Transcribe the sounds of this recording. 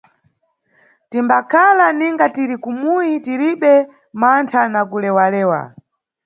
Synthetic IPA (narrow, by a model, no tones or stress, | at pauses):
timbakʰalaniŋɡatiɾikumuitiɾiɓɛ | mantʰanakulɛwalɛːwa̰